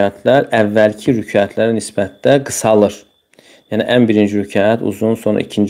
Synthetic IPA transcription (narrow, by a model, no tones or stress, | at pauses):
æt̪ʰlæɾævːælcʰiɾycʰɑjæt̪ʰlæɾænisbæt̪d̪æɡɯsɑlˠɯɾ | jæniʔænbiɾind͡ʒiɾycʰɑːjæt̪ʰṵzunso̞nɾɑ̰ʔḭcʰind͡ʒ